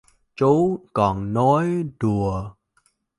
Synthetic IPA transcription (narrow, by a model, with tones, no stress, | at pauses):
t͡ɕo˨˦kɔ˨˩nːɔ˨˦jɗu˨˩ə